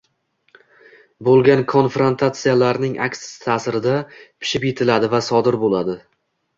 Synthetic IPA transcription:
bolˠɡʲankʰo̞nfɾo̞nt̪ʰat̪sijalaɾnɪŋʔa̰kʲsɪ̥ɪ̥t̪ʰaːsɪɾɪd̪apʰɪ̥ʃɪpjet̪ʰɪlad̪ɪvasɒd̪ɪɾbolad̪ɪ

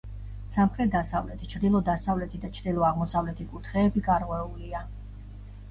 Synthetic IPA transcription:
samχɾɛt̪̚d̪asavlɛt̪ʰi̥t͡ʃʰɾd̪ilˠɔd̪asavlɛt̪ʰid̪at͡ʃʰɾd̪ilˠɔaʁmɔsavlɛt̪ʰikʼut̪ʰχɛːbikʼaɾʁʼwɛulia

